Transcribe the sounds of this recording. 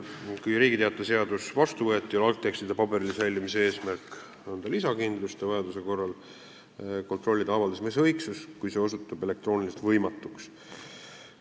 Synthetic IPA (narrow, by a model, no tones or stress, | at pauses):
kujɾiːɡit̪e̞ɑt̪ˑːese̞ɑd̪̥usvɑst̪uvɤ̞et̪ːˑiolɑl̚t̪ːˑe̞kst̪id̪̥epɑbe̞ɾilisælʲːimise̞e̞ːsmærk | ond̪ɑlisɑkind̪lust̪evɑjɑd̪use̞ko̞rːɑl | ko̞nt̪ˑro̞lʲːid̪̥ɑɑvɑld̪ɑsmesɤjksuskujse̞o̞s̬ut̪ːˑɑbe̞le̞kt̪roːnilise̥t̪vɤjmɑt̪ːˑuks